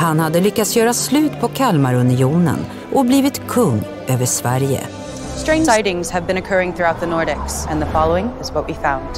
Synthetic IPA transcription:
hanhad̪ːəlʏkːat̪sjœːɾaslʉ̟ːt̪pʰɔkʰalmaɾɵnɪuːnə̰n | ʔɔbliːvɪt̪kʰɵŋː | øːvəʂvæɾjə̰ | stɹ̥ẽɪ̃naɪɾɪ̃ŋz̥ɨvbɨ̃ñɨkʰɜ˞ɪ̃ŋθɹʉaʊt̪̚ðənɔɹɾɪksə̃nðəfɑlˠoʊɪ̃ŋɨzboʊt̚b̥ifãʊ̃nd̥

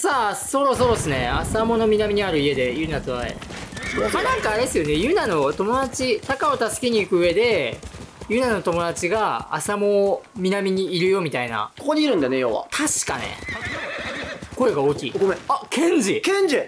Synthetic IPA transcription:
saːso̞ɾo̞s̬o̞ɾo̞sɨne̞asamo̞no̞mʲinamʲiɲ̟iaɾɯ̟ie̞d̪e̞jɯ̟nat͡soaḛ | mːanãŋkaːɾesɨjo̞ne̞jɯ̟nano̞t̪o̞mo̞d̪at͡ɕit̪akao̞t̪asɨ̥kʲeɲ̟iːkɯ̟ɯe̞d̪e̞ | jɯ̟nano̞t̪o̞mo̞d̪at͡ɕiɡaa̰samo̞mʲinamʲiɲ̟iːɾɯjo̞mʲit̪aina̰kokod̪eiɾɯ̃nd̪anejoβa̰t̪ʰaɕi̥ka̰nḛ | ko̞e̞ɡaoːkʲiːakʰẽ̞ɲ̟d͡ʑikẽɲ̟d͡ʑi

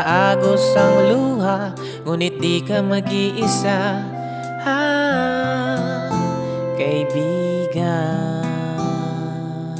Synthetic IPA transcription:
ʔaɡosɐŋluɦa | ŋuːnɪt̪̚d̪ikamɐɡɪʔɪsa | ha | kajbiɡa

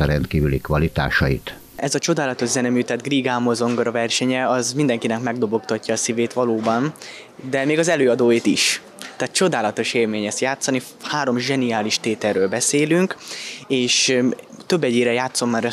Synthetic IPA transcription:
ɒɾɛnt̪kiːvylikʋɒlit̪a̰ːʃɒjḭt̪ | ɛzɒt͡ʃo̞d̪aːlɒt̪o̞ʒzɛnɛmyːt̪ɛd̪ɡriːɡamozo̞ŋɡoɾɒvɛrʃɛɲɛɒzmind̪ɛŋkinɛkmɛɡ̚d̪o̞bo̞kt̪ɒcːɒːsiveːt̪ʋɒloːbɒn | d̪ɛmeːɡɒzɛløːɒd̪oːjit̪iʃ | t̪aːt̪̚t͡ʃo̞d̪aːlɒt̪o̞ʃeːrmeːɲɛst̪jaːt̪sːɒni | haːɾo̞mʒɛnijaːliʃt̪eːt̪ɛrːøːlbɛseːlyŋkeːʃt̪øbːɛɟeːɾɛjaːt̪so̞mːaɾɛ

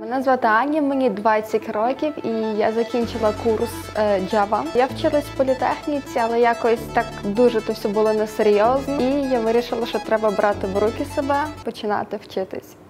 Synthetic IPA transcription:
menɛzʋɑt̪ɪɑnʲːɐmenʲid̪ʋɑt͡sʲːɐtʲrɔkʲiwija̰zɐkʲinʲt͡ʃɪlˠɐkursd͡ʒɑʋɐjawt͡ʃɪlˠɐsʲpɔlʲit̪ɛxnʲit͡sʲiɐlˠɛjakɔsʲt̪ɑkd̪uʒɛt̪ɔwsʲɔbʊlˠɔnɛseɾʲjɔznɔijaʋɪɾʲiʃɪlˠɐʃt͡ʃɔt̪ɾɛbɐbɾʔɑt̪ɪʋɾukʲɪsebɛpɔt͡ʃɪnɑ̰t̪ɪwt͡ʃɪt̪ɪ̰sʲ

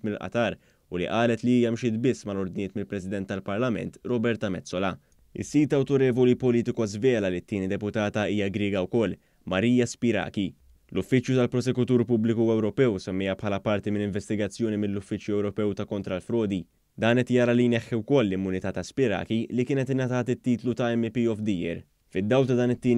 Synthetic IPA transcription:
mɪlʔɐ̰t̪ɐːɾ | ʊlḭʔɐːlɛt̪liiːjɐmʃɪːt̪bɪsːmɐlɔɾd̪nɪːt̪mɪlpɾɛsɪd̪ɛnt̪ːɐlpɐɾlɐmɛ̰nt̪ɾɔbɛɾt̪ɐmɛt͡sːɔlɐ | ɪ̰sːiːt̪ɐwt̪ɔɾɛːvɔlipɔliːt̪ɪkuɐzvɛːlɐlit̪ːɪːnid̪ɛpʊt̪ɐːt̪ɐiːjɐɡɾɪːɡɐwkɔlː | mɐɾiːjɐspɪɾɐ̰ːki | lʊfːɪt͡ʃːjut̪ɐlpɾɔsɛkʊt̪uːɾpʊblɪkuɛwɾɔpɛwsɛmːɪjɐpħɐːlɐpɐɾt̪imɪnːɪɱvɛst̪ɪɡɐt͡sːjɔːnimɪlːʊfːɪt͡ʃjuɛwɾɔpɛwt̪ɐkɔnt̪ɾɐlfɾɔːd̪i | d̪ɐːnɛt̪jɐːɾɐlijnɛħːiwkɔlːɪmːʊnɪt̪ɐːt̪ɐspɪɾɐ̰ːkilikɪːnɛt̪ɪnːɐt̪ɐːt̪ɪt̪ːiːt̪lut̪ɐɛmːipiɔfd̪iːjɛ̰ɾ | fɪd̪ːɐwlt̪ɐd̪ɐːnɪt̪ːiːn

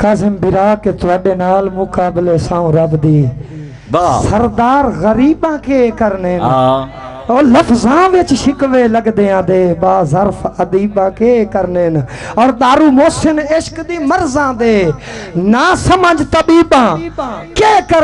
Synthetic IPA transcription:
kaːzɪmbɪɾaːkeːt̪ʰʊaːɗeːnaːlmʊkaːbɪleːsãːũːɾəbd̪iː | səɾd̪aːɾɣəɾiːɓãːkeːkəɾnn | oːləfʰzãːʋɪt͡ʃʃɪkʋeːləɡd̪eːãːd̪eːbaːzəɾfʰəd̪iːbãːkeːkəɾnen | ɔːɾɗ̪aːɾuːmoːsɪnɪʃkd̪iːməɾzãːd̪eː | naːsəməd͡ʒt̪əbiːbãːkeːkə

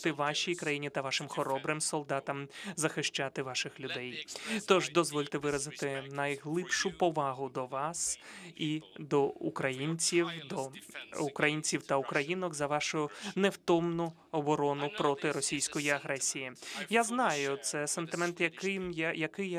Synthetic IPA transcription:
t̪ɪʋɑʃʲijkɾɐjinʲit̪ɐʋɑʃɪmxɔɾɔbɾɪmsɔlˠd̪ɑt̪ɐmzɐxɪʃt͡ʃat̪ɪʋɑʃɪxlʲʊd̪ɛjt̪ɔʒd̪ɔzʋɔlʲt̪ɛʋɪɾɐzɪt̪ɪnɐjɦlˠɪpʃʊpɔʋɑɦʊd̪ɔʋɑsid̪ɔukɾɐjinʲt͡sʲiwd̪ɔʊkɾɐjinʲt͡sʲiwt̪ɐʊkɾɐjinɔkzɐʋɑʃʊnewt̪ɔmnʊ | ɔbɔɾɔnʊpɾɔt̪ɪɾɔsʲijsʲkɔjiɐɦɾɛsʲijijaznɑjʊt̪sɛsent̪ɪmɛnt̪jɐkɪmjɐkɪj

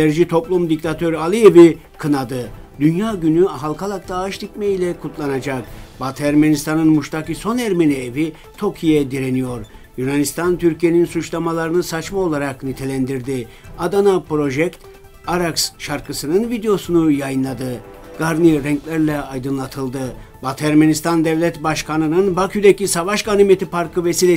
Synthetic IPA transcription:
d̪æɾd͡ʒit̪ʰo̞plˠumd̪ict̪ʰat̪ʰø̞ɾalʲˠievi | kʰɯnad̪ɯd̪ynjaːɟynyaɦalˠkʰalˠak̚t̪ʰaːʃt̪ʰicmejilʲɛkʰut̪ʰlˠanad͡ʒakbat̪ʰæɾmenist̪ʰanɯnmuʃt̪ʰakɯso̞næɾmenievi | t̪ʰo̞kʰijɛd̪iɾenijo̞ɾ | junanist̪ʰant̪ʰyɾcʰije̞ninsut͡ʃlˠamalˠaɾɯnɯsat͡ʃmao̞lˠaɾaknyt̪ʰe̞lʲænd̪iɾd̪i | ad̪anapɾo̞ʒɛkt̪ | aɾaksʃaɾkʰɯsɯnɯnvid̪ejo̞sunujajɯnlˠad̪ɯ | ɡ̥aɾniɾɛŋclʲæɾlʲɛajd̪ɯnlˠat̪ʰɯlˠd̪ɯ | bat̪ʰæɾmenist̪ʰand̪ɛvlʲɛt̪baʃkʰanɯnɯnbakʰyd̪ecisavaʃɡanimet̪ʰipʰaɾkʰɯvesilʲe

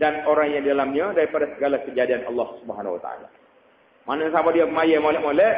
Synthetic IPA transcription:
danoɾaŋjãdidalamɲədaɾipadasəɡalakəd͡ʒadianʔɑ̰lːɑhsubəɦanwa̰t̪a̰a̰la̰ | manəsabadiamajəmolɛʔmolɛ

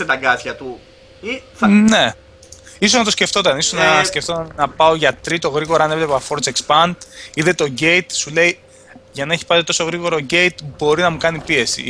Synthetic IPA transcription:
et̪ɐɡɐsçɐt̪u | iθne | iso̞znɐt̪osce̞ft̪o̞t̪ɐnisoznɐsce̞ft̪o̞t̪ɐnnɐpɐo̞ʝɐt̪ɾit̪o̞ɣɾiɣo̞ɾɐɐnevle̞pɐfo̞ɾt͡sekspɐnd̪iðe̞t̪o̞ɟe̞t̪sule̞i | ʝɐnɐeçi̥pɐt̪et̪o̞so̞ɣɾiɣo̞ɾoɟe̞jt̪bo̞ɾinɐmukɐnipie̞sḭ

